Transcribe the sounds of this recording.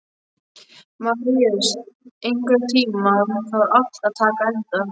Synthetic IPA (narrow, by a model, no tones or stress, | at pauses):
maiasejŋkʏɾt̪ʰiːmaunfaɾafaðt̪ʰaːkaɛnt̪an